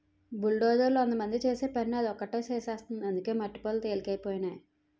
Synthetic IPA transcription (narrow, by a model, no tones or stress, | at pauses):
bulɖoːd͡ʒɐɾloond̪ɐmɐnd̪it͡ʃeːseːpɐɾnɐd̪iɔkːɐʈːeːsɛːsaːst̪und̪iɐnd̪uke̞ːmɐʈːi̥poːlt̪eːlikɐjipoːjinaːji